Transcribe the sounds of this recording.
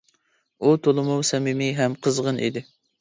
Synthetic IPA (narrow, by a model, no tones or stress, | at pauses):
ut̪ʰolˠɨmuwsɛmɪmɪɦɛmqʰəzʁənʔḭd̪ɪ